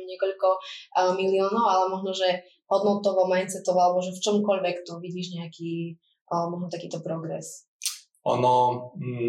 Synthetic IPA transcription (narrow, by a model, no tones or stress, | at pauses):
ɲɛkɔʎkɔmiliɔːnɔʊalɛmɔʒnɔʒɛ | ɦɔd̪nɔt̪ɔʋɔmajnt͡sɛt̪ɔʋɔalɛbɔʒɛft͡ʃɔmkɔʎʋɛkt̪ɔʋiɟiːʒɲɛakiː | mɔʒnɔt̪akiːt̪ɔpɾɔɡɾɛ̰s | ʔɔ̰nɔ